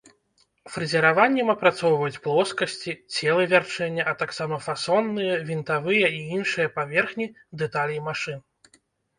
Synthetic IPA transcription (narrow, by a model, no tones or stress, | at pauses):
fɾɨzʲɛɾavanʲːɛmɐpɾat̪sɔwvɐjut͡sʲplˠɔskɐsʲt͡sʲit͡sʲɛlˠɨvʲart͡ʂɛnʲːɐʔɐt̪aksamɐfasɔnːɨjɛvʲint̪avɨjɐiinʂɨjɐpavʲɛrxnʲi | d̪ɛt̪alʲimaʂɨn